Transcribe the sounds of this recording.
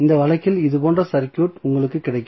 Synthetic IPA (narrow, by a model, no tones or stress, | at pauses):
ɪnd̪ɐʋɐɭɐɪkːɪlɪðɯpoːndrɐsɐɾkjuːʈʊŋɡɐɭɯkːɯkːɪɽɐɪkː